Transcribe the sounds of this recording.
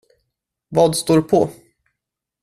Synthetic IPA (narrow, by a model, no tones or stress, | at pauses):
vɑːd̪st̪oːɾpʰɔ